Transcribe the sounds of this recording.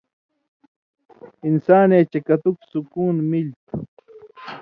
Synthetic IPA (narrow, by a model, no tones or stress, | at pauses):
insaːneːt͡ɕɐkɐt̪uksukuːnmilt̪